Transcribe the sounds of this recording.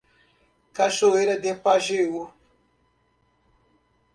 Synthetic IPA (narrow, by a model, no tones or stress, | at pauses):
kaʃoeɾad̪epaʒewu